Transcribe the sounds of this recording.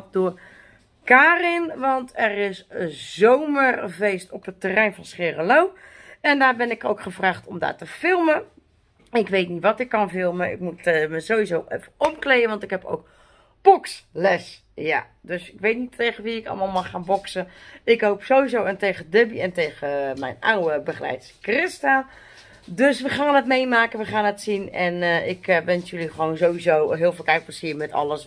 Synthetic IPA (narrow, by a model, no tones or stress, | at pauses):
dʊə | kaːrɪnʋɔntʰɛrɪszowmərvejstɔpətːərɛjnfɑnsχɪrəlowɛndaːbɛnɪkowkχəvraːχtɔmda̰ːtəfɪlˠmə | ɪkʋejtnitʋɔtɪkːɑnfɪlˠməɪ̰k̚mutməzoːʋizowʔɛ̰fəɔmklejəʋɑntɪkɦɛpo̰wk̚ | b̥ɔkslɛs | ja̰ | døsɪkʋeːtnitʰeːɣəʋiɪkɑ̰lˠmaːlˠmaχaːnbɔksəɪkɦowpsoːʋizowɛnteːɣədɪbiɛnteɣəmɛ̰jna̰wəbəχlɛ̰jtskrɪsta | døsʋəχaːnɛtmejmaːkənʋəχaːnɛtsinɛnɪkʋɛnsjøliχəʋoːnzowʋizowɦɪːlˠfɪlˠkɛjt̚prasiəmɛtɔ̰lˠəs